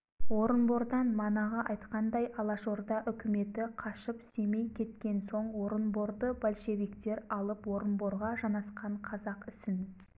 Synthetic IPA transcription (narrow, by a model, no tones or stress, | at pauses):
wo̞ɾənbo̞ɾd̪ɑnmɑnɑʁɑʔɑjt̪qɑnd̪ɑjɑlˠɑʃo̞ɾd̪ɑʔʏkʲɪme̞t̪ɪqʰɑʃəpse̞me̞jkʲʰe̞t̪kʲe̞nso̞ɴwo̞ɾənbo̞ɾd̪əbalʲʃe̞vikt̪e̞ɾɑlˠəpwo̞ɾənbo̞ɾʁɑʒɑnɑsqɑɴqʰɑzɑqɪsɪn